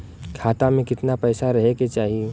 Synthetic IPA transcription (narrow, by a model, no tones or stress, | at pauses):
kʰaːt̪amẽkɪt̪napɛːsaɾɐɦeket͡ʃaːɦie